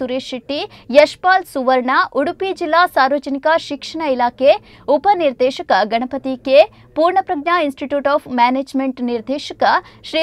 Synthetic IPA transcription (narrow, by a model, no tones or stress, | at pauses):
uɾeːʃiʈːijɐʃpaːlsuʋəɾɳaːʔuɽupid͡ʒilːasaːɾʋəd͡ʒənikaʃɪkʂɐɳ̃ɐilaːke | upəniɾd̪eːʃɐkɐɡɐɳ̃ɐpət̪ike | puːɾɳɐpɾɐɡnainsʈiʈjuːʈɔːpʰmɛːneːd͡ʒmẽɳʈniɾd̪eːʃəkəʃɾi